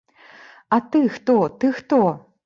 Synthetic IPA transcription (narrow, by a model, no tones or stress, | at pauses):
at̪ɨxt̪ot̪ɨxt̪o